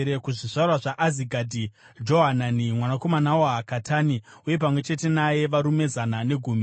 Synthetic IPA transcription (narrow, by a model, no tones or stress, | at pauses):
ɾekuʐiʐarwaʐaʔaziɡʱadʱi | d͡ʒo̞ɦananimwanako̞manawoɦakatʰaːni | uje̞pamwe̞t͡ʃe̞te̞naje̞ʋaɾume̞zanane̞ɡʱuːmi